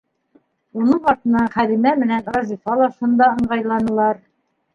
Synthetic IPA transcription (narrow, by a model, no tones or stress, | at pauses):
unɤɴɑɾt̪ɤ̆nɑɴχæðimæmɘ̆nænɾɑzʲifɑlˠɑʃɤ̆nd̪ɑɤ̆ɴɢɑjlˠɑnɤ̆lˠɑɾ